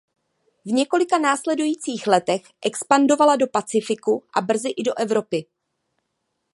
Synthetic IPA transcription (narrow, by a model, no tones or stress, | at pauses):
vɲɛko̞lɪkanaːslɛdujiːt͡siːxlɛt̪ɛxʔɛkspando̞valado̞pat͡sɪfɪkuʔabr̩zɪʔɪdo̞ʔɛvɾo̞pɪ